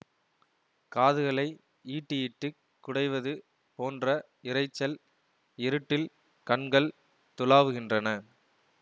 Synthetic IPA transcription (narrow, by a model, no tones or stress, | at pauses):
kaːðɯɣɐɭɐɪ | iːʈːɯjɪʈːɯ | kːʊɽɐɪʋɐðɯ | poːndrɐ | ɪɾɐɪt͡ʃːɐl | ɪɾɯʈːɪl | kɐɳɡɐɭ | t̪ʊlaːʋɯɣɪndrɐnɐ